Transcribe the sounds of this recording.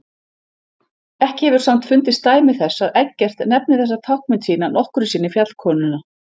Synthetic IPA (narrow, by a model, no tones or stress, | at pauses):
ɛhcɪhɛvʏɾ̥sam̥t̪fʏnt̪ɪst̪aːjmɪθɛsːaðɛcːɛr̥t̪nɛp̚nɪθɛsːat̪ʰawhk̚mɪnt̪siːnanɔhkʏɾʏsiːnɪfjat̪l̥kʰɔːnʏna